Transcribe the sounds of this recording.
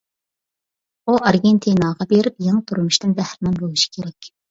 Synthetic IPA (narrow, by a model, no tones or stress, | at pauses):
uɑɾɡʲent̪ʰinɑʁɑbeɾɪpjeŋt̪ʰuɾumuʃt̪ɪnbæhɾɪnɪŋbolˠɨʃi̥kʲʰeɾɛkʲ